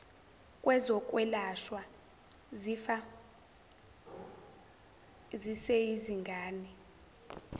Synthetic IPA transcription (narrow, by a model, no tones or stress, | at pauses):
kʼwɛzɔkʼwɛlaʃwa | zifa | zisɛiziŋɡʱaːni